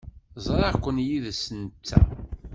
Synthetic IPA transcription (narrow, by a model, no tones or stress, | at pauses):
zˤɾækʷːənjiðsənt͡sːæ̰